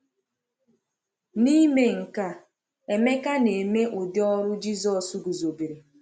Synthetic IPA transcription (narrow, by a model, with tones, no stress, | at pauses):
ni˦me˨ŋ̩˨ka˦ | e˨me˦ka˦ne˨e˨me˦ʔo˨dɪ˦ɔ˦ɾʊ˦d͡ʒi˦zɔ˨su˦ɡu˨zo˨bi˨ɾi˨